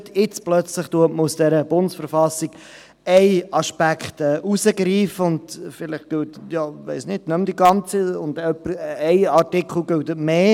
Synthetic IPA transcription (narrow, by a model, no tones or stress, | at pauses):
tʰɪt͡splœt͡slɪχtuətməusd̥ɛɾəb̥ʊndsfəɾfɑsiɡ̥ | ɛɪɑʃpækχtɛːʔusəɡɾiːfəʊndfɪlɪχt̚ɡ̥øldjɑːʋɛɪsnɪd̥nœmd̥iɡɑnt͡siʊnd̥œpəɛɪɑɾtɪkχl̩ɡʏldətmeː